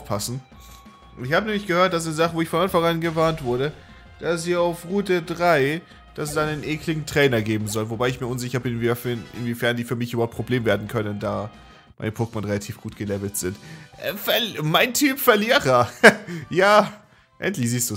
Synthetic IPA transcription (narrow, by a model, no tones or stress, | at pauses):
ʊfpʰasn̩ | ɪçhaːbənɛːmlɪçɡ̥əhøːɐt̚d̥as̬aɪnəzaχəvoːɪçfɔnʔanfaŋanɡəvaɐntv̥ʊɐɾə | d̥asz̥iːaʊfʁuːtədʁaɪ | d̥assaɪnənʔeːklɪɡŋ̩tʁ̥ɛːnɐɡeːbm̩zɔlvobaɪɪçmiːɐʊnzɪçɐbɪnvfɪnʔɪ̰nviːfɛɐndiːfyːɐmɪçʔyːbɐhaʊpʁ̥obleːmveːɐdn̩kʰœnəndaː | mma̰ɪnəpʰʊkmanʁelatʰiːfɡ̥uːtɡ̥əlɛvl̩tz̥ɪntʔɛfɛɐmaɪntʰyːpfɛɐliːʁɐ | jaː | ʔɛ̰ntlɪçz̥iːstd̥uː